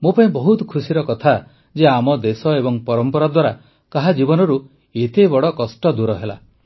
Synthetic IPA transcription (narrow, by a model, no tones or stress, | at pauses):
mopaĩbɔɦut̪ɔkʰusiɾɔkɔt̪ʰa | d͡ʒeamɔd̪esɔebɔŋpɔɾɔmpɔɾad̪waɾa | kaɦad͡ʒibɔnɔɾu | et̪ebɔɽɔkɔsʈɔd̪uɾɔɦela̰